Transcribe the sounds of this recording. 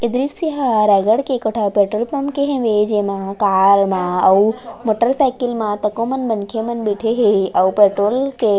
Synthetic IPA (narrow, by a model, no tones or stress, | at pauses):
ɪd̪ɾisiɦaɾɛɡəɽkekoʈʰapeʈɾolpɐmkeɦẽʋed͡ʒemãkaːɾmãɐumoːʈəɾsajkilmãt̪əkõmənbənkʰemənbiʈʰeɦeəupeʈɾolke